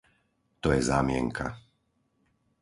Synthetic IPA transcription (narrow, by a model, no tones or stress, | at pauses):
t̪ɔjɛzaːmɪɛŋkʰa̰